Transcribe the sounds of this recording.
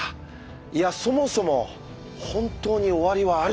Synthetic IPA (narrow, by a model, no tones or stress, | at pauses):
iaso̞mo̞so̞mo̞ | hõ̞nt̪o̞ːɲ̟io̞βaɾʲiβaː